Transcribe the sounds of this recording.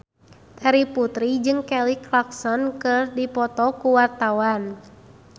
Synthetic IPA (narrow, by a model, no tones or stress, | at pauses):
t̪aɾiput̪ɾid͡ʒɨŋkɛliklaksɔnkɨrdipɔt̪ɔkuwart̪awan